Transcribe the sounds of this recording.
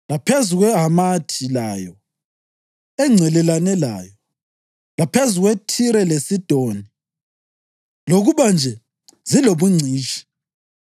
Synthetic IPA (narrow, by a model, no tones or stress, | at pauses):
lapʰezuɣwɛɦamatʰilaːjɔ | ɛŋ͡ǀʱɛlɛlanɛla̰ːjɔ | lapʰezuɣwetʰiɾɛlesid̥ʱoni | loɣuβand͡ʒʱɛ | ziloβuŋ͡ǀʱiːʃi̥